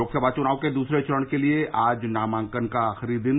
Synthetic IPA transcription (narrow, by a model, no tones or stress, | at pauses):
oːksəbaːd̪t͡ʃʊnaːõked̪uːsɾet͡ʃəɾəɽ̃kelieʔaːd͡ʒnaːmãːŋkənkaaːxɾid̪ɪn